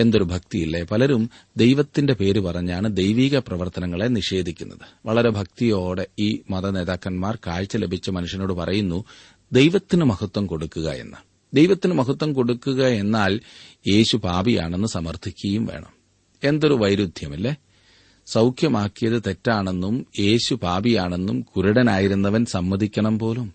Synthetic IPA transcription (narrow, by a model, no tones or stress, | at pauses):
e̞nd̪o̞ɾubʱɐk̚t̪ijilːe̞pɐlɐɾum | d̪e̞jʋɐt̪ːinde̞pe̞ːɾupɐrɐɲːaːɳɨd̪ejʋiːɣɐprɐʋɐrt̪ɐnɐŋːɐɭe̞niʂe̞ːd̪ʱikʲːunːɐðɨ̥ʋɐɭɐɾe̞bʱɐk̚t̪ijo̞ːɽe̞iːmɐðɐne̞ːðaːkːɐnmaːrkaːɻt͡ɕːɐle̞bʱit͡ɕːɐmɐnuʂjɐno̞ːɽɨpɐrɐjunːu | d̪e̞jʋɐt̪ːinɨmɐhɐt̪ːwɐmko̞ɽukːuɣɐ̰e̞̰nːɨ | d̪e̞jʋɐt̪ːinɨmɐɦɐt̪wɐmko̞ɽukːuɣɐe̞nːaːlje̞ːɕubaːbija̰ːɳe̞nːɨsɐmɐrt̪ʰikʲːɐjumʋe̞̰ːɳɐ̰m | e̞nd̪o̞ɾuʋɐjɾud̪ʱjɐmilːe | sɐwkʰjɐmaːkːijɐðɨt̪e̞tːaːɳe̞nːumje̞ːɕubaːbijaːɳe̞nːumkuɾuɽɐnaːjiɾunːɐʋɐnsɐmːɐd̪ʱikʲːɐɳɐmpo̞ːlum